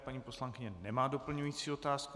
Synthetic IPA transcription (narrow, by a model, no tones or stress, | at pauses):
paɲiːpo̞slaŋkɪɲɛnɛmaːdo̞pl̩ɲujiːt͡siːot̪aːsk